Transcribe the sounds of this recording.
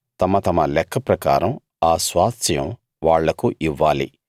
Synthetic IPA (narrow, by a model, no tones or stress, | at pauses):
t̪ɐmɐt̪ɐmɐlɛkʰːɐpɾɐka̰ːɾɐm | aːsʋaːt̪sjɐm | ʋaːɭːɐkuʔiʋːaːlḭ